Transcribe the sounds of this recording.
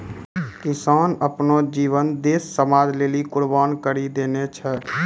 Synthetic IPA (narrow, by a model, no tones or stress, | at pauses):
kɪsaːnəpnod͡ʒiːʋənd̪eːsːəmaːd͡ʒleːlikʊɽbaːnkəɾid̪eːnet͡ʃʰɛ